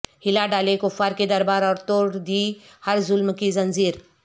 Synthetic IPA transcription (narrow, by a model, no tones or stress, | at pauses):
hilaɖalekofaɾked̪əɾbaɾɔɾt̪oɽd̪ihəɾzulmkizənd͡ziːɾ